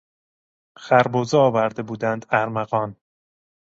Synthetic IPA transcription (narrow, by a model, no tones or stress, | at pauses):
xæɾbozeɒːvæɾd̪ebuːd̪ænd̪æɾmæɣɒːn